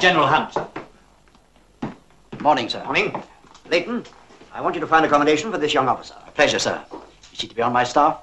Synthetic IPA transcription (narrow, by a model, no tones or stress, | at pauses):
d̥d͡ʒ̥ɛnə˞l̩ˠɦãmpsn | mɔɹnɪ̃ŋsɜ̰˞ɔnɪ̃ŋ | leɪʔⁿn̩ | aɪwɑ̃nt͡ʃɨɾəfãɪ̃ndɨkɑmədeɪʃn̩fə˞ðɪsjʌ̃ŋɔfəsə̰˞əpʰl̥ɛʒə˞sɜ̰˞ɨz̥itəbiə̃nmaɪstɑf